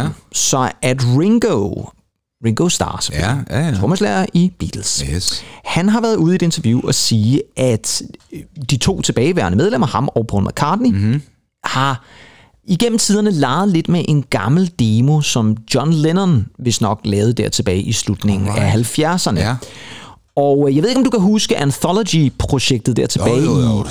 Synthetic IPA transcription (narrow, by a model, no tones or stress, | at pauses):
sɒ̽æd̥ʁeŋɡ̥o | ʁeŋɡ̥oʊsd̥ɑ̰̈ːse̥føl̰iomæslæɐʔib̥ḭːd̥l̩s | hænɦɑ̈ʋæɐðˠuð̞̩ˠie̝de̝nt͡sʰɐʋjṵɒ̽siːʔæd̥ | d̥it͡sʰo̝̰ːt͡sʰe̝b̥ɛːɪʋæɐnəmeð̞ˠlem̰ɐhɑ̈mɒʊpʰɒ̰ːlmʔækʰɑ̰̈ːd̥ni | hɑ̈ | iɡ̥em̰m̩t͡sʰiːð̞ˠɐnəlɑ̈ɪð̞̩ˠle̝d̥meʔe̝nɡ̥ɑ̈ml̩d̥e̝mo̝sɒ̽md̥jɒnlenɐnʋe̝snɒ̽ɡ̥lɛːð̩ˠəd̥æɐ̰t͡sʰe̝b̥ɛːɪʔislud̥ne̝ŋn̩æɦælfjæɐsɐnə | ɒʊjɑɪʋe̝ðˠeɒmd̥ukʰæɦusɡ̥əʔænθɒlɔd̥ipʰʁo̝ɕeɡ̥d̥ð̩ˠd̥æɐ̰t͡sʰe̝b̥ɛːɪi